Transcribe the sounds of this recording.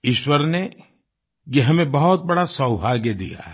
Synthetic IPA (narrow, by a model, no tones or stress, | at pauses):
ɪʃwəɾne | jeɦɐmẽbɐɦʊt̪̚bɐɽasɐwbʱaːɡjed̪ḭja̰